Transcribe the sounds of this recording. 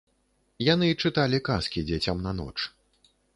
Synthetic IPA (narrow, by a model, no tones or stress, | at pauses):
janɨt͡ʂɨt̪alʲikaskʲid͡zʲɛt͡sʲamnanɔ̰t͡ʂ